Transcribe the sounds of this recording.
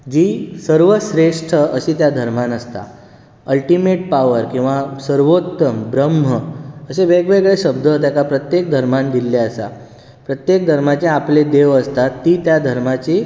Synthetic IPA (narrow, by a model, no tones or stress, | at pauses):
d͡ʑiːsəɾʋəsɾeʂʈʰəəɕet̪jad̪ʱəɾmanəst̪a̰ | əlʈimeʈ̚paʋəɾkĩw̃ʋasəɾʋot̪ːəmbɾəmɦəəseʋeɡʋeɡɭeɕəbd̪ʱət̪jakapɾət̪jek̚d̪ʱəɾmand̪ilːaəsa̰ | pɾət̪jek̚d̪ʱəɾmat͡ɕeapled̪eʋəst̪at̪ːiːt̪jad̪ʱəɾmat͡ɕi